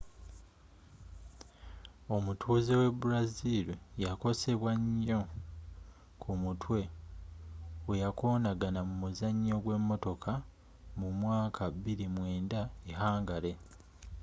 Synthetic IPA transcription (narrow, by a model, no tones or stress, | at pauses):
o̞mutʰuːzewe̞buɾazilijako̞se̞βwaɲːo̞ | kʰumutwe̞ | wejako̞ːnaɡanamumuzaɲːo̞ɡwe̞mːo̞to̞kʰa | mumwaːkʰaβiɾimwe̞ːndaeɦaːŋɡale̞